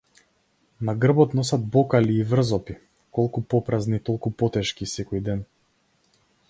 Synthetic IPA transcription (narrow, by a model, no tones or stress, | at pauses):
naɡr̩bɔt̪nɔsad̪̚bɔkaliːvr̩zɔpi | kɔlˠkupɔpɾaznit̪ɔlˠkupɔt̪ɛʃkisɛkɔjd̪ɛn